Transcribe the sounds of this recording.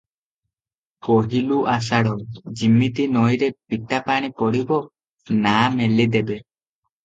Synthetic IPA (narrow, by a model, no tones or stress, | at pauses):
koɦiluʔas̬aɽɔd͡ʒimːit̪inɔjɾepiʈapaɽ̃ipɔɽibɔ | namelid̪ebe